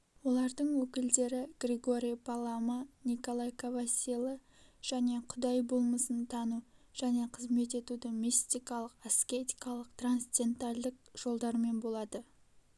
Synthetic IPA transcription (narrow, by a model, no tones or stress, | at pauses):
wo̞lˠɑɾd̪əɴwɵkʲɪld̪e̞ɾɪɡ̥rʲeɡo̞ɾʲijpʰalˠamaniko̞lˠajkavasʲilˠə | ʒ̥æne̞qʰʊd̪ɑjbolˠməsənt̪ʰɑnuʒ̥æne̞qʰəzme̞t̪̬e̞t̪ud̪ɪmʲist̪ijkɑlˠəqaskʲet̪ijkɑlˠəq̚t̪ranst̪ʲe̞nt̪alʲd̪ɪk̚ʒ̥o̞lˠd̪ɑɾme̞nbo̞lˠɑd̪ə